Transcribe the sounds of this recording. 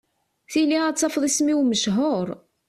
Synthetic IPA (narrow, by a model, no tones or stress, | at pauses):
θiliæt͡sːɑfðˤismiwməʃɦoɾˤ